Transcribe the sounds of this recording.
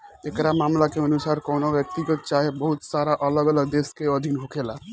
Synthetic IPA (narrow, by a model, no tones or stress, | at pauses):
ekɾamamlakeənusaɾkəwnobjək̚t̪iɡət̪̚t͡ʃaɦebəɦut̪saɾaʔələɡələd̪eskeəd̪ʱinɦokʰela